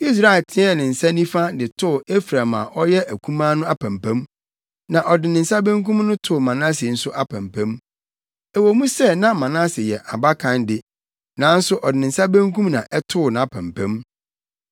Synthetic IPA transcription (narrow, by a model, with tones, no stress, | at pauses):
i˦s̬ɾa˨ɪ˨tʰɪ̃˦ɛ˦˨nɪ̃˨n̩˨sa˦nĩ˦fa˦dɪ˨tʰʊ˦˨e˦fɾa˨ma̰˨ʔɔ˦jɛ˦ʔæ˨kʰũ˦mãː˦nʊ̃˦a˦pʰæ̃˨mpæ̃˦m | nã˨ʔɔ˨dɪ˨nɪ̃˨n̩˨sa˦bæ̃˦ŋkũ˦mnʊ̃˦tʰʊ˦˨mã˨nã˦sɪ˨n̩˨˦sʊ˦ʔa˦pʰæ̃˨mpʰæ̃˦m | ɛ˨wo˨mũ˦sɛ˦˨nã˦mã˨nã˦sɪ˨jɛ˨ʔa˨ba˦kʰã˨ndɪ˨ | nã˨˦n̩˦sʊ˦ʔɔ˨dɪ˨ɪ̃˨n̩˨sa˦bæ̃˦ŋkʰũ˦mnã˨ʔɛ˦tʰʊ˦ʊ˨nã˨a˨pʰæ̰̃˨mpʰæ̃˦m